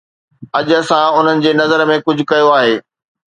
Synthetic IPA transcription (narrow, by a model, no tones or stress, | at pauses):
ɐʄsãʊn̤ənɪ̆d͡ʑeːnɐzəɾmẽkʊd͡ʑʱʊkɐjoaːɦeː